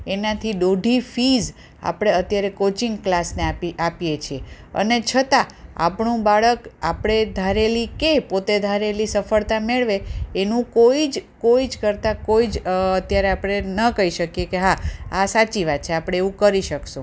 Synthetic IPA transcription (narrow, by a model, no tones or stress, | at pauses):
enat̪ʰiɖoɖʱifiz | a̰pɽ̃eət̪jaɾekot͡ʃiŋɡklasneapiapjet͡ʃʰie | ə̰net͡ʃʰət̪aa̰pɳũbaɭəkapɽ̃ed̪ʱaɾelikepot̪ed̪ʱaɾelisəfəɭt̪ameɭʋeːnũkoid͡ʒkoid͡ʒkəɾt̪akoid͡ʒət̪jaɾeapɽ̃enəkəiʃəkjekeɦaasat͡ʃiʋat̪̚t͡ʃʰeapɽ̃eeʋũkəɾiʃəksũ